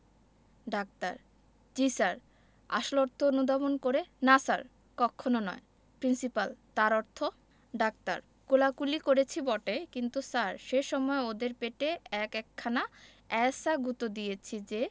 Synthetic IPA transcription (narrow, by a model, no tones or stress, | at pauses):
ɖak̚t̪a̰ɾ | d͡ʑisaɾ | a̰ʃloɾt̪ʰoonud̪abonkoɾenasa̰ɾ | kɔkʰːononɔ̰e | pɾinsipalt̪aɾɔɾt̪ʰo | ɖak̚t̪a̰ɾ | kolakulikoɾet͡ɕʰibɔʈekint̪usaɾʃeʃɔmɔeod̪eɾpeʈeɛkɛkʰːana | ɛsaɡut̪od̪ijet͡ɕʰid͡ʑe